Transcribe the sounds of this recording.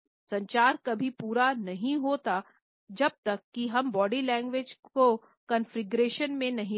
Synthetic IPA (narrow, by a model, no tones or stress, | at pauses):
sɐ̃ɲt͡ʃaːɾkɐbʱipuːɾanɐɦĩɦoːt̪a | d͡ʒɐb̚t̪ɐkːiɦɐmbɔːɖilɛ̃ːŋɡʋed͡ʒko | kɐnfɾɪɡɾeːʃənmẽnɐɦĩ